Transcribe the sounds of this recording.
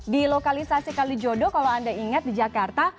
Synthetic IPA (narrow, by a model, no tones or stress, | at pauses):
dilokalisasikalid͡ʒodɔkalaandaiŋat̪̚did͡ʒakart̪a